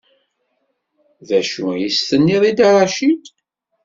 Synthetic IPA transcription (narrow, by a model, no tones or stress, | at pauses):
ðæʃujist̪ənːiðˤid̪ɑɾˤɑʃid̪